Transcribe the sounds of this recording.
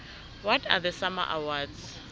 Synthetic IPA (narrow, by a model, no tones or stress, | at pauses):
wɔtʰaðəsama̰ʔawadz